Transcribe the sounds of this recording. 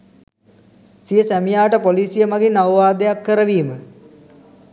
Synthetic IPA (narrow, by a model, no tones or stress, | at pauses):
sijəsæmijaːʈəpoliːsijəmaɡinawʋaːd̪ejakːəɾəʋiːmə